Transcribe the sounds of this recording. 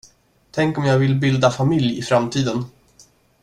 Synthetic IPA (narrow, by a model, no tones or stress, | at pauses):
t̪ʰɛŋkɔmjaːɡvɪlbɪld̪afamɪljɪfɾamt̪ʰiːd̪ən